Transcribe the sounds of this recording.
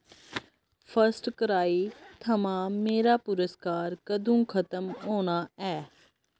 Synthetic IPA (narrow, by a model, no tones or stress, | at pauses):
pʰəsʈkəɾaːiːt̪ʰəmãːmeːɾaːpʊɾəskaːɾkəd̪ũːkʰət̪əmɦoːñaːɛː